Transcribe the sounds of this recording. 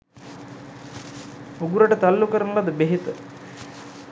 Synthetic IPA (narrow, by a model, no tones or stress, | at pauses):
uɡuɾəʈət̪alːukəɾənulad̪əbeɦit̪ə